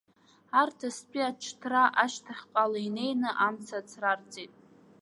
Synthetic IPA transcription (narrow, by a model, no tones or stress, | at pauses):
artʰaspʼiat͡ʃʰtʰraʔaʃtʰaχʲqʼalaine̞jnɨʔamt͡sʰat͡sʰrart͡sʼitʼ